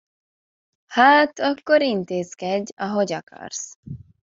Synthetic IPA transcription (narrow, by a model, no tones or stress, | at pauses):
haːt̪ɒkːo̞ɾint̪eːzkɛɟɒɦoɟɒkʰɒ̰rs